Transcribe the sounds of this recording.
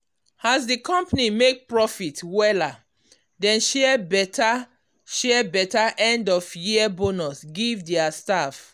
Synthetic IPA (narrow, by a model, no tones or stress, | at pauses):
hazsdikɔ̃mpanimek̚pɹɔfitwɛla | dɛ̃nʃɛbɛta | ʃɛɛbɛtaʔɛ̃ndɔfjiəbonɔsɡivdɛastaf